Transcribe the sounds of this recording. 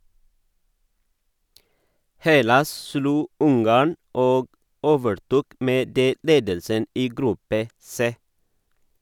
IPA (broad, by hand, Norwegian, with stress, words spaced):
ˈhɛlɑs ˈsluː ˈʊŋɡɑːɳ ˈoːɡ ˈoːʋəɾˌtuːk ˈmeː ˈdeː ˈleːdəlsən ˈiː ˈɡɾʉpə ˈseː